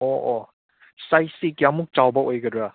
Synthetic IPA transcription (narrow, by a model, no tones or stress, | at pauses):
oo | sajsikjamuk̚t͡ʃawbɐʔojɡɐdɾa